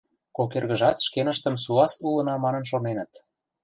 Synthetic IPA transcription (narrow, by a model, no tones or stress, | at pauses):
kokerɣə̆ʒɑt̪ʃkenə̆ʃt̪ə̆msuɑsulɤ̆nɑmɑnə̆nʃonenə̆t̪